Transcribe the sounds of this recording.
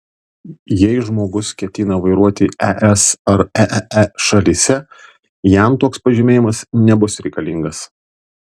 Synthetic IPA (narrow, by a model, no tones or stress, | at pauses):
jɛɪʒmoːɡʊskʲɛt̪ʲɪnɐʋɐɪɾuɔt̪ʲiɛʔɛsɐɾɛɛʃɐlʲisʲɛ | jæmt̪oːkspɐʒʲɪmʲeːjɪmɐsnʲɛbʊsɾʲɛɪkɐlʲɪŋɡɐs